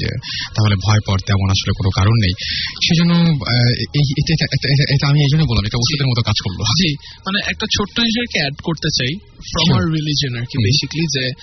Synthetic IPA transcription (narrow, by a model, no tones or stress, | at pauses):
d͡ʑḛt̪aɦolebʱɔepɔɾt̪ɛmonaʃolekonokaɾonːejʃed͡ʑonːo | ejeʈeʈaʔeaeʈaʔeʈaamiejd͡ʑonːojbolːamɛkʈaobosʃod̪eɾmɔt̪ʰokad͡ʑkoɾlo̰d͡ʑimaneʔɛk̚ʈat͡ɕʰoʈːoɦiʃeɾkeɛɖkoɾt̪et͡ɕaj | fɾɔmaɾːilid͡ʑionaɾkibejʃiklid͡ʑe